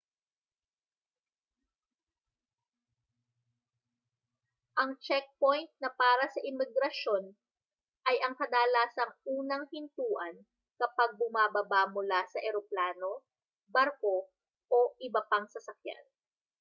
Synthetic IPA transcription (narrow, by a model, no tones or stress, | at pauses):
ʔɐŋt͡ʃɛk̚pojnt̪̚nɐpaːɾɐsɐʔɪmɪɡɾɐʃo̞n | ʔɐjɐŋkɐd̪aːlaːsɐŋuːnɐŋhɪnt̪uːʔɐn | kɐpɐɡ̚bʊmaːbɐbamʊlasɐʔɛɾoplaːno̞ | bɐɾko̞ | ʔoʔɪbɐpɐŋsɐsɐkja̰n